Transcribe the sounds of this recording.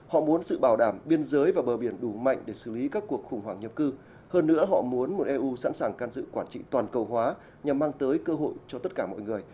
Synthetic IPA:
hɔ̰˧˨mu˨˦ənsɨ̰˧˨ɓaː˧˩wɗaː˧˩mɓi˧ənzəː˨˦jvaː˨˩ɓəː˨˩ɓi˧˩ənɗu˧˩ma̰˧˨jŋ̟ɗe˧˩sɨ˧˩li˨˦kaː˦˥kːu˨˩ək̚xʊ˨˩ŋ͡mhwaː˧˩ŋɲḭ˨˩p̚kɨ˧ | həː˧nːɨ̰˧˥əɦɔ̰˧˨mu˨˦ənmo˨˩t̚ʔɛ˧ʔu˧sa̰ː˧˥nsaː˨˩ŋkaː˧nzɨ̰˧˨kwaː˧˩nt͡ɕḭ˧˨t̪waː˨˩nkə˨˩wɦwaː˨˦ | ɲa˨˩mːaː˧ŋt̪əː˨˦jkəː˧ɦo̰˧˨jt͡ɕɔ˧t̪ə˦˥t̚kaː˧˩mɔ̰˧˨jŋɨ˨˩əj

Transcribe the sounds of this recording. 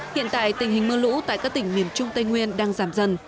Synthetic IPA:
hḭ˧˨ənt̪a̰ː˧˨jt̪ï˧˩ŋ̟hï˨˩ŋməː˧lṵ˧˥t̪a̰ː˧˨jkaː˦˥k̚t̪ï˧˩ŋ̟mi˧˩əmt͡ɕʊ˧ŋ͡mt̪ə˧jŋwi˧ənɗaː˧ŋzaː˧˩mzə˧˩n

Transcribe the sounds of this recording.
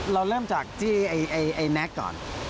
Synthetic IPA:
ɾa˧wɾɤː˥˩mt͡ɕaː˨˩k̚t̪ʰiː˥˩ʔa˧jʔa˧jʔa˧jnɛ˦˥kːɔ̰ː˨˩n

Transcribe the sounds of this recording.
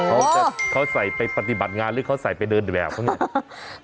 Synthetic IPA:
kʰa˦˥wa˧˩kʰa˦˥wsa˨˩jpa˧jpa˧t̪i˨˩ba˨˩t̪̚ŋaː˧nɾɯː˦˥kʰa˦˥wsa˨˩jpa˧jdɤː˧n˨bɛː˨˩k̚pʰa˥˩ni˥˩

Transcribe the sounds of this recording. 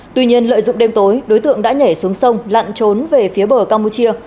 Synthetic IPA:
t̪wi˧ɲi˧ənlə̰ː˧˨jzʊ̰˧˨ŋ͡mɗe˧mt̪o˨˦jɗo˨˦jt̪ɨ̰˧˨əŋɗa̰ː˧˥ɲɛ˧˩su˨˦əŋsə˧wŋ͡mla̰ː˧˨nt͡ɕo˨˦nve˨˩fi˨˦əɓəː˧˩kaː˧mpu˧t͡ɕi˧ə

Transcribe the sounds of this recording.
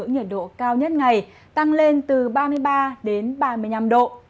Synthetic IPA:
əŋɲə˨˩t̚ɗo̰˧˨kaː˧wɲə˦˥t̚ŋa˨˩j | t̪a˧ŋle˧nt̪ɨ˨˩ɓaː˧mɨ˧əjɓaː˧ɗe˨˦nɓaː˧mɨ˧əjna˧mɗo̰˧˨

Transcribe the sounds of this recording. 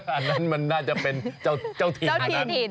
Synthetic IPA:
aː˨˩t̪̚nːa˦˥nma˧nːaː˥˩t͡ɕa˨˩pe˧nt͡ɕa˥˩wt͡ɕa˥˩wt̪ʰiː˨˧˨

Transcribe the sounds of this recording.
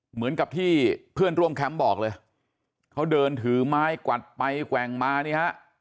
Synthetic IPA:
mɯ˩˦ənka˨˩p̚t̪ʰiː˥˩pʰɯ˥˩ənɾu˥˩əmkʰɛ˦˥mbɔː˨˩k̚lɤː˧j | kʰa˦˥wdɤː˧nt̪ʰɯː˩˦maː˦˥jkwa˨˩t̪̚pa˧jkwɛ˨˩ŋmaː˧niː˧˥˩ha˦˥ʔ

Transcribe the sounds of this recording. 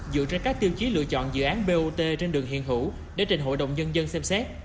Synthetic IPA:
zɨ̰˧˨t͡ɕe˧nkaː˦˥k̚t̪i˧əwt͡ɕi˨˦lɨ̰˧˨ət͡ɕɔ̰˧˨nzɨ̰˧˨ʔaː˨˦nɓe˧ʔo˧t̪e˧t͡ɕe˧nɗɨ˨˩əŋɦḭ˧˨nɦɨ̰˧˩ | ɗḛ˧˩t͡ɕi˨˩n̟ɦo̰˧˨jɗə̰˧˨wŋ͡mɲə˧nzə˧nsɛ˧msɛ˦˥t̚

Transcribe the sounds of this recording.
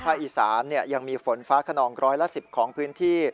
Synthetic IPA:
pʰaː˥˩k̚ʔi˨˩saː˩˦nːi˥˩ɐja˧ŋmiː˧fo˩˦nfaː˦˥kʰa˧nɔː˧ŋɾɔː˦˥jla˧˥si˨˩p̚kʰɔː˩˦ŋpʰɯː˦˥nt̪ʰiː˥˩

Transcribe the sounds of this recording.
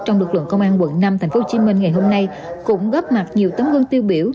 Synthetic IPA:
t͡ɕɔ˧wŋ͡mlɨ˨˩k̚lə̰˧˨nkə˧wŋ͡mʔaː˧nkwə̰˧˨nnaː˧mt̪ʰa˨˩jŋ̟fo˨˦t͡ɕi˨˦mï˧ŋ̟ŋa˨˩jɦo˧mna˧j | kʊ̰˧˥ŋ͡mɣə˦˥p̚ma˨˩t̚ɲi˨˩əwt̪ə˨˦nwɨ˧əŋt̪i˧wɓi˧˩əw

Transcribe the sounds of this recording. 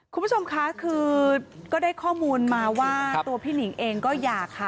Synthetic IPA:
kʰu˧mbu˦˥t͡ɕʰo˧mkʰa˦˥kʰɯː˧kɔː˥˩daː˥˩jkʰɔː˥˩muː˧nmaː˧waː˥˩t̪u˧ɐpʰiː˥˩ni˩˦ŋʔeː˧ŋkɔː˥˩jaː˨˩kʰːa˦˩

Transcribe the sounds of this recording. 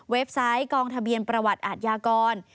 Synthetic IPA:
we˦˥p̚sa˦˥jkɔː˧ŋt̪ʰa˧bi˧ənpɾa˧wa˨˩t̪̚ʔaː˨˩t̪̚jaː˧kɔː˧n

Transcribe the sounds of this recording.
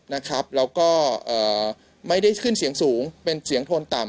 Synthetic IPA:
na˦˥kʰa˦˥p̚lɛː˦˥wkɔː˥˩ʔɤː˨˩ | ma˥˩jda˥˩jkʰɯ˥˩nsi˩˦əŋsuː˩˦ŋpe˧nsi˨˩˦əŋt̪ʰoː˧nt̪a˨˩m

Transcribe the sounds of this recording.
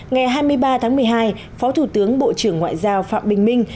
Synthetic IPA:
ŋa˨˩jɦaː˧jmɨ˧əjɓaː˧t̪ʰaː˨˦ŋmɨ˨˩əjɦaː˧j | fɔ˨˦t̪ʰu˧˩t̪ɨ˨˦əŋɓo̰˧˨t͡ɕɨ˧˩əŋːwa̰ː˧˨jzaː˧wfa̰ː˧˨mɓï˨˩ŋ̟mï˧ŋ̟

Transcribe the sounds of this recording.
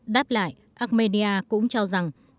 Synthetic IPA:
ɗaː˦˥p̚la̰ː˧˨j | ʔaː˦˥k̚me˧ni˧ʔaː˧kʊ̰˧˥ŋ͡mt͡ɕɔ˧za˨˩ŋ

